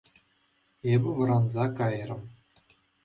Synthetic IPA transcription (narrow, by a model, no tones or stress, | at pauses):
ebʲɘ̆ʋɤ̆ɾɑnzɑkɑjrɤ̆m